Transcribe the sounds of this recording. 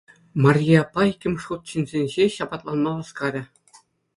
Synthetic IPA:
mɑrʲiɑpːɑikʲːɘ̆mʲʂut̪̚ɕinʲzʲenʲʑeɕɑbɑt̪lˠɑnmɑʋɑskɑɾʲɘ̆

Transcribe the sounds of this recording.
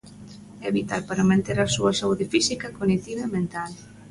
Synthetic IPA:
ɛβit̪alpaɾamẽnt̪eɾasuɐsauðɪfisikɐkonit̪iβaemẽnt̪al

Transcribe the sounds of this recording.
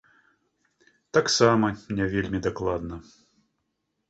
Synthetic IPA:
t̪aksamɐmnʲɛvʲelʲmʲid̪aklˠad̪nɐ

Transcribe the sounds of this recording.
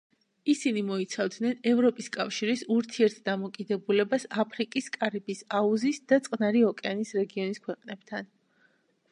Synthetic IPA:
isinimɔit̪sʰavd̪nɛnɛvɾɔpʼiskʼafʃiɾisuɾt̪ʰiɛɾt̪ʰd̪amɔkʼid̪ɛbulɛbasapʰɾikʼiskʼaɾibisauzisd̪at̪sʼqʼnaɾiɔkʼɛanisɾɛɡiɔniskʰwɛqʼnɛb̥t̪ʰan

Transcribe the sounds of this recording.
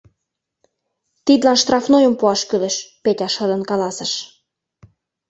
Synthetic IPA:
t̪id̪lɑnʃt̪rɑfnojə̆mpuɑʃkyleʃpetʲɑʃɤ̆d̪ə̆nkɑlɑsə̆ʃ

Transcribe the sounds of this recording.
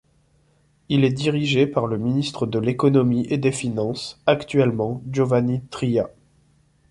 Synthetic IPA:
ilɛd̪iʁiʒepaʁləminist̪χəd̪əlekɔnɔmiʔed̪efinɑ̃sakt̪ɥɛlmɑ̃ʒovanit̪χija

